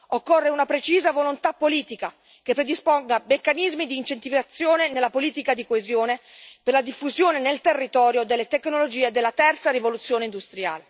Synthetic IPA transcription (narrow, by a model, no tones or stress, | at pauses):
okːorːeunapɾet͡ʃiːzavolont̪apːoliːt̪ika | kepːɾed̪ispoŋɡamekːanizmid̪iːnt͡ʃent̪ifiat̪sːjoːnenelːapoliːt̪ikad̪ikoezjoːne | perlad̪ifːuzjoːnenelt̪erːit̪ɔːɾjod̪elːet̪ekːnolod͡ʒiːed̪elːat̪ɛrt̪saɾivolut̪sːjoːneind̪ust̪ɾja̰ːle